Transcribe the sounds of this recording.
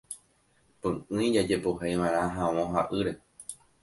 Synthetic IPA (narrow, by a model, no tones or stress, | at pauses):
pɨ̃ʔɨ̃id͡ʒad͡ʒe̞poɦajʋãeɾ̃ãɦãwõɦaʔɨɾe̞